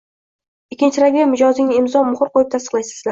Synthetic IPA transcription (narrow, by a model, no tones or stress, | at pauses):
ɪkʲːɪnt͡ʃʰɪɾaɡʲemɪd͡ʒɒzɪŋʲɪmzɒmʊχʊɾqojɪp̚t̪ʰast̪ɨ̥qlajsɪzla